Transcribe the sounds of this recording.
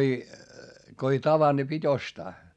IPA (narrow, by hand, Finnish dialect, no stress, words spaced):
ei ko ei tɑʋɑnd̥ ni pitʲ ostɑː